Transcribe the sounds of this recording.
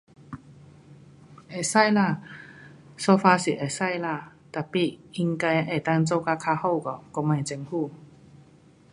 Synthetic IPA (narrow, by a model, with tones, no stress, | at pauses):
ʔe˨˩sa˥˧jla˧˩ | sɔ˧fa˧si˨˩ʔe˨˩sa˥˨jla˧˨ | t̪a˨˩pi˨˩i˧ŋka˧jʔe˨˩t̪a˧ŋt͡so˥˧˨ka˧kʰa˧ho˥˧˨kɔ˨˩kɔ˧mã˨˩jt͡ɕɛ˧ŋhu˥˧˨